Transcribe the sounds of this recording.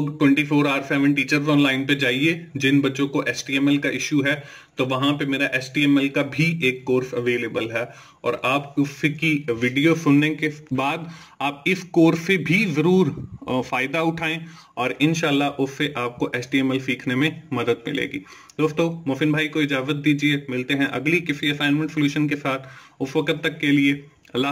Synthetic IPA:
ɡʈwɛ̃ɳʈifʰoːɾaːɾsɛːʋə̃nʈiːt͡ʃəɾzɔ̃ːnlaːɪnped͡ʒaːied͡ʒɪnbɐtːt͡ʃõkoʔɛːsʈiːɛːmɛlkaʔɪʃuɦɛ | t̪oʋɐɦãpemeːɾaʔɛːsʈiːɛːmɛlkabʱiʔeːkːoːɾfɐʋeːleːbəlɦɛ | ɔ̰ːɾaːpʊfekiʋɪːɖijosʊnnẽkebaːd̪ | aːp̚ɪskoːɾfebʱizɐɾuːɾfaːɪd̪aʊʈʰaːẽ | ɔːɾɪ̃nʃaːlːaɦʔʊfeʔaːp̚koʔɛːsʈiːɛmɛlsiːkʰnemẽmɐd̪əd̪̚mɪ̰lḛːɡḭː | d̪̥oːst̪oːmoːfɪnbʱaːikoɪd͡ʒaːzət̪̚d̪iːd͡ʒiemɪlt̪eɦɛ̃ʔɐ̰ɡlikɪfiɐsaːnmẽɳʈsljuːʃənkesaːt̪ʰʊfʋɐkət̪ːɐk̚kelie | ɐlːa

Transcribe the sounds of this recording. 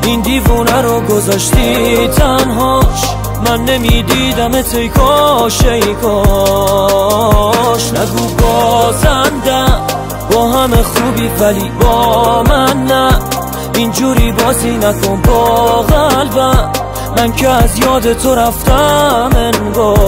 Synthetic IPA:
ind̪iːvɔnæɾɔɡo̞zɒʃt̪it̪ʰænɦɔʃ | mænːemiːd̪iːd̪æmet̪ʰejkʰɔʃeikʰɔ | ʃnæɡubɔːzænd̪æ | bɔːɦæmeχuːbiːvælibɔːmænːæ | ind͡ʒuːɾiːbɒːzinækʰonbɔːɣælvæ | mæncʰeːzjɒːd̪et̪ʰo̞ɾæft̪æmenɡɔ

